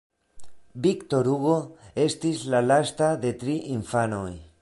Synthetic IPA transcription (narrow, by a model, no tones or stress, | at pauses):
bikt̪o̞ɾuɣo̞e̞st̪islalast̪ade̞t̪ɾiʔiɱfanoj